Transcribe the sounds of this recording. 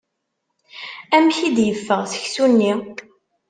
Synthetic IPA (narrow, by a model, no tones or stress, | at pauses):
æmçid̪jəfːəʁsə̥çsunːi